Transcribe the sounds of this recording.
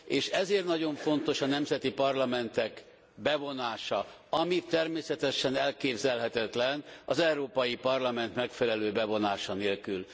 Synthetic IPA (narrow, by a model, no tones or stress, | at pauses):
eːʃɛzeːrt̪nɒɟo̞ɱfo̞nt̪o̞ʃɒnɛmzɛt̪ipɒrlɒmɛnt̪ɛk | bɛvo̞naːʃɒɒmit̪ːɛrmeːsɛt̪ɛʃɛnɛlkeːbzɛlɦɛt̪ɛt̪lɛnɒzɛuɾoːpɒjipɒrlɒmɛnt̪mɛkfɛlɛløːbɛvo̞naːʃɒneːlkyl